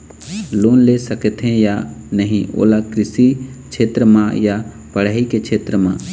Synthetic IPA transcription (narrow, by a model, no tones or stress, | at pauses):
loːnlesɐkət̪ɦẽjanəɦĩʔo̰ːlakɾɪsit͡ʃʰeːt̪ɾəmãja | pɐɽ̤aːikekt͡ʃʰeːt̪ɾəmã̰ː